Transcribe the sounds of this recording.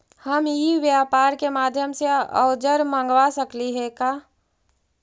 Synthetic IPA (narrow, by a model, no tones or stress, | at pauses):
həmjiʋjaːpaːɾkemaːd̪ʱjəmseə̰ʊd͡ʒəɾmə̃ŋɡʋasəkliɦɛkaː